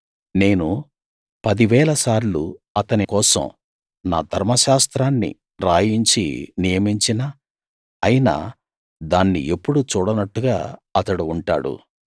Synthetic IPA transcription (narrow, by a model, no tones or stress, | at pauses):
ne̞ːnu | pɐd̪iʋɛːlɐsaːɾlṵ | ɐt̪ɐnikɔːsɐ̰m | na̰ːd̪ʱɐɾmɐʃaːst̪ɾaːnːḭ | ɾaːjiɲt͡ʃḭnijɐmiɲt͡ʃinaː | ɐjina̰ː | d̪aːnːḭʔe̞pːuɽut͡ʃuːɽɐnɐʈːuɡa̰ːɐt̪ɐɽuːɳʈa̰ːɽṵ